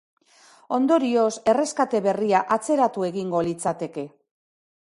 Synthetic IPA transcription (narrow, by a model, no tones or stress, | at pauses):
o̞nd̪o̞ɾio̞se̞re̞skat̪e̞βe̞riaʔat͡se̞ɾat̪ue̞ɣiŋɡo̞lit͡sat̪e̞ke̞